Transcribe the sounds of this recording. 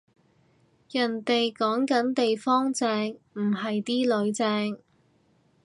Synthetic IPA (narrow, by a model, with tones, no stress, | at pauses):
jɐ˨˩nt̪e˨jkɔː˨˥ŋkɐ˨˥nt̪e˨jfɔː˥ŋt͡sɛː˧ŋm̩˨˩ɦɐ˨jt̪iː˥lɵ˨˧ɥt͡sɛː˧ŋ